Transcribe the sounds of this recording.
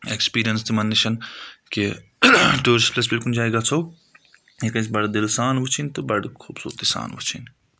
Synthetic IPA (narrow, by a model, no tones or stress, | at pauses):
ekspiːɾijənst̪imɐnːɪʃɐnki | ʈoːɾɪsplɐs̬bɪlkund͡ʒaːeɡaːt͡sʰoː | ekɐ̃sbɐɽd̪ɪlsaːnʋʊt͡ʃʰint̪ɨbɐɽkʰuːbsṵːɾt̪isa̰ːnʋɐ̰t͡ʃʰḭn